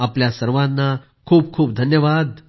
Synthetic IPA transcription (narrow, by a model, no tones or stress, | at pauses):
apljasəɾʋãnːa | kʰuːb̚kʰuːp̚d̪ʱənjəʋad̪